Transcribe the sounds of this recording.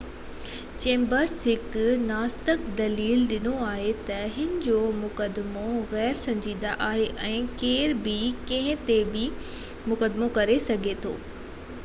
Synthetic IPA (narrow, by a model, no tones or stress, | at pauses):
t͡ɕẽːmbəɾsɦɪknaːst̪ɪkd̪ɐliːlɗɪnoaːɦet̪ɐɦɪnɪ̆d͡ʑoːmʊkəd̪ɪmoɣɛːɾsɐ̃ɲd͡ʑiːd̪aʔaːɦeʔɛ̃ːkeːɾbɪkɐ̃ɦɪ̃t̪ebɪ | mʊkəd̪mokɐɾesɐɡʱet̪ʰo̰ː